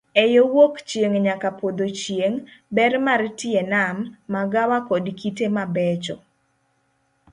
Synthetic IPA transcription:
ɛjowokt͡ʃjeŋɲakapod̪ot͡ʃjeŋbɛrmartɪenamːaɡawakɔdkitemabɛt͡ʃɔ̰

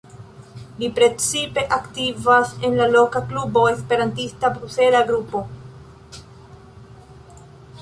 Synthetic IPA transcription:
lipɾe̞t͡sipe̞ʔaktivase̞nlalo̞kaklubo̞e̞spe̞ɾantistabɾuse̞laɡɾupo̞

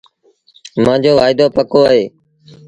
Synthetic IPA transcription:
mãːd͡ʑoːʋaːɪd̪oːpəkoːaɦeː

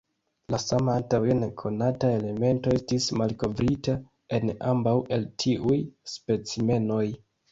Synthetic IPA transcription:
lasamaantawenekʰo̞natae̞le̞me̞ntoe̞stismalko̞vɾita | e̞na̰mbawʔe̞ltʰiʔujspe̞t͡sime̞no̞j

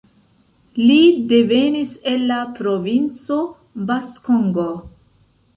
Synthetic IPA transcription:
lide̞ve̞nise̞lːapɾo̞vint͡so̞ | baskoŋɡo

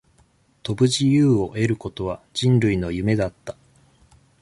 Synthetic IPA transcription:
t̪o̞bɯ̟ʑijɯːo̞ʔe̞ɾɯ̟ko̞t̪o̞β̞ad͡ʑĩnɾɯ̟ino̞jɯ̟me̞d̪at̪ːḁ

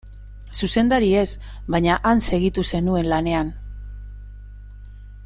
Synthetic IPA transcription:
suse̞nd̪aɾie̞s | βaɲaʔanse̞ɣit̪use̞nue̞nlane̞an

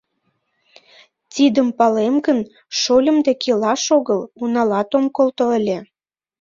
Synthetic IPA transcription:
t̪id̪əmpɑlemɡən | ʃolʲə̆md̪ekelɑʃoɣəlunɑlɑt̪omkolt̪oəlʲe

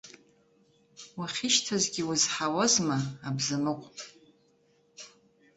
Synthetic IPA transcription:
waχʲɪʃtʰazɡʲiwuzħawazmaːbzɨmɨqʷʼ

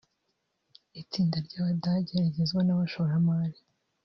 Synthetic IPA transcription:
it͡siːndaɾɟaːβadaɟeɾaɟe̞zɡwanaβaʃoɾamaːɾi

